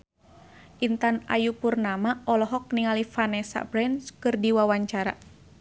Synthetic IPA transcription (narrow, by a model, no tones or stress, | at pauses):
ʔint̪ana̰jupurnamaɔlɔɦɔk̚niŋalifanɛsa̰bɾɛnskɨrdiwawaɲt͡ʃaɾa̰